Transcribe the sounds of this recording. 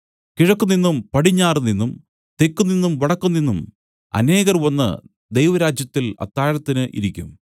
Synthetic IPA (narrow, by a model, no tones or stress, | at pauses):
kiɻɐkːunːinːumpɐɽiɲːaːrninːum | t̪e̞kːunːinːumʋɐɽɐkːunːinːum | ɐ̰ne̞ːɣɐrʋɐnːɨ̰ | d̪ejʋɐɾaːd͡ʑjɐt̪ːilɐ̰t̪ːaːɾɐt̪ːinɨʔḭɾikʲːum